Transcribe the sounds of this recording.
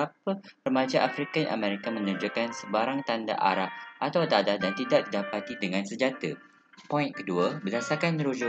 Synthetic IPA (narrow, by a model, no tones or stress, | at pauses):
apərəmãd͡ʒaʔafɾikaja̰ʔa̰mɛɾikamə̃nud͡ʒukansəbaɾaŋt̪anda̰ʔa̰ɾap̚ʔat̪awd̪adadant̪idaʔ̚didapat̪idəŋãnsəd͡ʒat̪ə | pɔĩnkəduəbədasakanɾud͡ʒʊ